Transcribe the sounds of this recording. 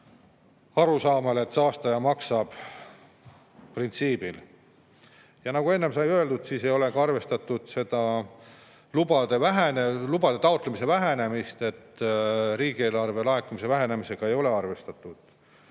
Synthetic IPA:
ɑɾusɑːmele̞t̪sɑːst̪ɑjɑmɑksɑb̥ | print̪siːb̥il | jɑnɑɡ̥ue̞nːemsɑjøeld̪ud̪̥siːsejo̞le̞ɡ̥ɑɑrve̞st̪ɑt̪ːˑud̪̥se̞d̪̥ɑ | lubɑd̪̥e̞væɦenelub̥ɑd̪̥e̞t̪ɑot̪ˑlemise̞væɦe̞ne̞mist̪e̞t̪ːɾiːɡ̥ieːlɑrve̞lɑekːumise̞væɦe̞ne̞mise̞ɡ̥ɑe̞jo̞le̞ɑrve̞st̪ɑt̪ˑːud̪̥

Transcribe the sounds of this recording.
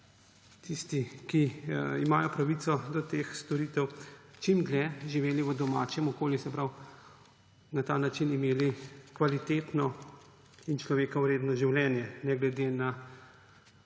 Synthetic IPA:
t̪ist̪ikiimaːjɔpɾaʋit̪sɔd̪ɔt̪eːxst̪ɔɾiːt̪ɛwt͡ʃimɡ̪lɛʒiʋeːliʋəd̪ɔmaːt͡ʃjɛmɔkoːljusɛpɾaw | nat̪aːnat͡ʃinimeːlikʋalit̪eːt̪nɔ | int͡ʃlɔʋeːkawɾeːd̪nɔʒiwljɛːnjɛnɛɡlɛd̪ena

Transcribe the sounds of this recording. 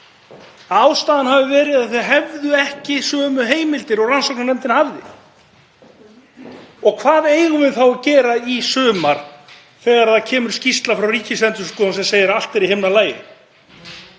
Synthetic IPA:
aːwst̪aːðanhavɪvɛːɾɪðaðθɛðɦɛvðʏɛhcɪsœːmʏɦeːjmɪlt̪ɪɾɔɣransɔknanɛmt̪ɪnhavðɪ̰ | ɔɣkʰvaːðeːjɣʏvɪðθawcɛːɾaisœːmaɾ̥ | θɛːɣaɾθacʰɛːmʏɾ̥scist̪lafɾawriːcɪsɛnt̪ʏ̥skɔːðansɛmseːjɪɾal̥t̪ɛɾihɪmnalaːjɪ̰

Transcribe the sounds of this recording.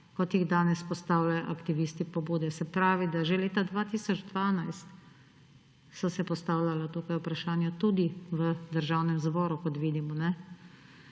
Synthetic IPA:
kɔt̪jiɣd̪aːnɛspɔst̪aːwlʲajɔʔakt̪iʋiːst̪ipɔbuːd̪ɛsɛpɾaːʋid̪aʒɛleːt̪ad̪ʋaːt̪iːsɔd͡ʒd̪ʋaːnajst̪ | sɔsɛpɔst̪aːwlalat̪uːkajupɾaʃaːnjat̪ud̪iʋəd̪əɾʒawnɛmzbɔːɾukɔt̪ʋiːd̪imɔnɛ

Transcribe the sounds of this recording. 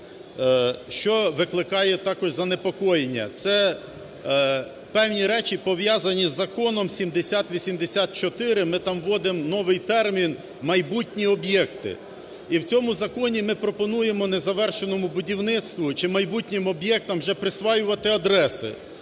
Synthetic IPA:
ʃt͡ʃɔʋɪklˠɪkɑjɛt̪ɑkɔʒzɐnepɔkɔjenʲːɐ̰t̪sɛ | pɛwnʲiɾɛt͡ʃʲipɔʋjɑzɐnʲizːɐkɔnɔmsʲimd̪esʲat̪ʋʲisʲimd̪esʲat̪̚t͡ʃɔt̪ɪɾɪmɪt̪ɑmʋɔd̪ɪmnɔʋɪjt̪ɛrmʲin | mɐjbutʲnʲiɔbjɛkt̪ɪ̰ | iwt͡sʲɔmʊzɐkɔnʲimɪpɾɔpɔnujemɔnezɐʋɛrʃenɔmʊbʊdʲiwnɪt̪st̪ʋʊt͡ʃɪmɐjbutʲnʲɪmɔbjɛk̚t̪ɐmʒɛpɾɪsʋɑjʊʋɐt̪ɪɐd̪ɾɛsɪ̰

